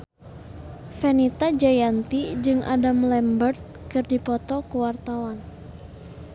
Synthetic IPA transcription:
fɛnit̪ad͡ʒajant̪id͡ʒɨŋʔa̰damlɛmbərt̪̚kɨrdipɔt̪ɔkuwart̪awan

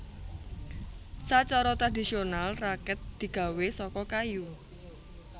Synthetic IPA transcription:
sat͡ʃɔɾɔt̪ɾad̪isionalrakɛt̪̚d̪̥i̤ɡ̥ä̤wesɔkɔkaju

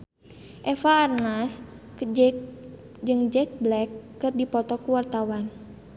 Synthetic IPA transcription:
ʔɛfaːrnas | d͡ʒɨŋd͡ʒɛk̚blɛkːɨrdipɔt̪ɔkuwart̪awan

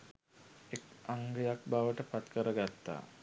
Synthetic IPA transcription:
ekaŋɡəjak̚baʋəʈəpat̪kəɾəɡat̪ːa̰ː

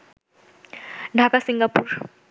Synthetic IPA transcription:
ndʱakʼasiŋɡapʰuːra

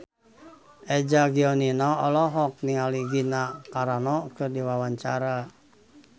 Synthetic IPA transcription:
ʔɛd͡ʒaɡiɔninɔɔlɔɦɔk̚niŋaliɡinakaɾanɔkɨrdiwawaɲt͡ʃaɾa

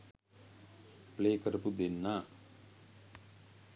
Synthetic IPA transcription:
pleːkəɾəpud̪enːaː

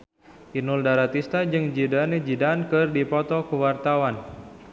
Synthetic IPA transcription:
ʔinʊldaɾat̪ist̪ad͡ʒɨŋd͡ʒidaned͡ʒidankɨrdipɔt̪ɔkəwart̪awan

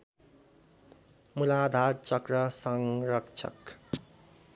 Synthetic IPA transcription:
mulad̪ʱadt͡sʌkrʌsʌŋɾʌkt͡ʃʰʌ̰k

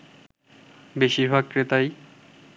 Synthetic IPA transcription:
beʃiɾbʱaɡ̚kɾet̪aj

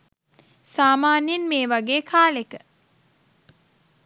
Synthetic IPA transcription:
saːmaːnjenmeːʋaɡeːkʰaːlekə

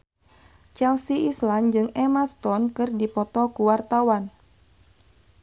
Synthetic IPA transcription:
t͡ʃɛlsiʔisland͡ʒɨŋɛmast̪ɔnkɨrdipɔt̪ɔkuwart̪awan

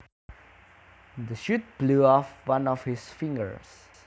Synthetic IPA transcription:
dəʃut̚b̥luɔfwãnɔfhisfĩŋɡə̰ɹs

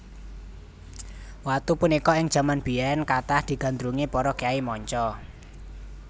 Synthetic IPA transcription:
wat̪upunikɔɪŋ̥ʒ̥ä̤manb̥iɛnkat̪ahd̪̥i̤ɡ̥a̤nd̪ɾuŋipɔɾɔkeaimɔɲt͡ʃɔ

